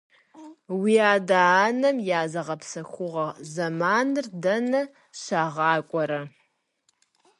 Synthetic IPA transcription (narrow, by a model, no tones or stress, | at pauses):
wiːaːdaːnɐmjaːzɐʁɐpsɐxʷʊʁɐzɐmaːnɨrdɐnɐ | ɕaːʁɑːkʷʼɔɾɐ